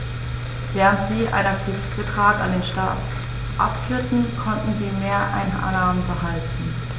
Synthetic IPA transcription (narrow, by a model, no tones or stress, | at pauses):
vɛːʁəntz̥iːʔa̰ɪnak̚tʰivɪstb̥ətʁ̥aːkandeːnʃta̰ːt | ʔa̰pfʏɐtn̩kʰɔntn̩ziːmeːɐʔa̰ɪnʔa̰laːməbəɦaltn̩